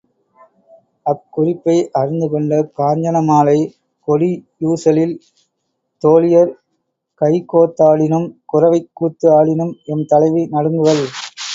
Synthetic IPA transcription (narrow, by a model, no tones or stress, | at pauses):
ɐkːʊrɪpːɐɪʔɐɾɪnd̪ɯkɔɳɖɐkaːɲd͡ʒɐnɐmaːlɐɪ | kɔlijuːsɐlɪl | t̪oːlɪjɐɾ | kɐɪkoːt̪ːaːɭɪnɯmkʊrɐʋɐɪkːuːt̪ːɯaːɭɪnɯmɛnt̪ɐlɐɪʋinɐɽɯŋɡɯʋɐl